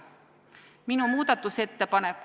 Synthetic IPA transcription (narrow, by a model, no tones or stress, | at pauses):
minumuːt̪ɑt̪ːuset̪ːepɑnekː